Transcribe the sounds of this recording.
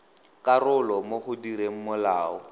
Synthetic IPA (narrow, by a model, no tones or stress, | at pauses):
kʼarʊlɔmoχʊdiɾeŋ̩mʊlaːɔ